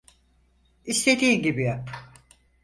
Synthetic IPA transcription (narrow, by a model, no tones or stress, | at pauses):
ist̪ʰe̞d̪iːnɟibijap